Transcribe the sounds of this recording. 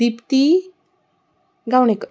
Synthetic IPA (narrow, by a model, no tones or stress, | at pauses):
ipt̪i | ɡawnek